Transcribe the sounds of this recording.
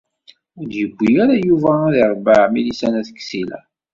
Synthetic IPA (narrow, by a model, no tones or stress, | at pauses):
ʊdjəɡʷːijaɾajuvæðiɾˤbəʕmilisænæθə̥kːsilæ̰